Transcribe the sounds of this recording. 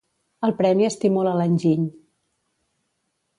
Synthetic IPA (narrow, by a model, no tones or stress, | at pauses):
əlˠpɾɛmiəst̪imulələnʲʒiɲ